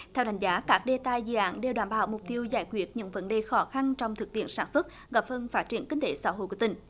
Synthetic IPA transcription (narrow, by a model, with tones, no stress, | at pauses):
t̪ʰɛ˧wɗa˨˦jŋ̟zaː˨˦kaː˦˥k̚ɗe˧t̪a˧jzɨ̰˧˨ʔa̰ː˧˥nɗe˨˧˩wɗwaː˧˩nɓaː˧˩wmʊ˨˩k͡p̚t̪i˧əwzaː˧˩jkwi˦˥ət̚ɲɨ̰˧˥ŋvə˨˦nɗe˨˩xɔ˨˦xa˧nt͡ɕɔ˧wŋ͡mt̪ʰɨ˨˩k̚t̪ḭ˧˨ənsaː˧˩nswə˦˥t̚ | ɣa˨˩p̚hə˧nfaː˦˥t̚t͡ɕi˧˩˨ənki˧ŋ̟t̪e˧˨˦saː˧˦ɦo̰˧˨ku˧˩ï˨˩ŋ